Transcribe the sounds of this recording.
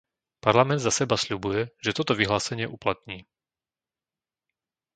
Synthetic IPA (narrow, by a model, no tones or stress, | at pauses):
paɾlamɛnd̪zasɛbasʎubujɛʒɛt̪ɔt̪ɔʋiɦlaːsɛɲɪɛʔuplat̪ɲiː